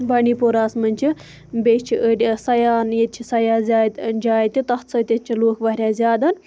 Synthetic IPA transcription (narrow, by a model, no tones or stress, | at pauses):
bɐɳiːpoːɾaːsmɐnʲt͡ʃʰi | beːʃt͡ʃʰiʔəɖʲasɐjaːnjet̪̚t͡ʃʰisɐjaːzʲaːjt̪nd͡ʒaːjt̪ʲit̪ɐht̪t͡sʰɐt̪ʲɐt̪̚t͡ʃʰiloːkʰʋɐɦɾʲjaːzʲjaːd̪an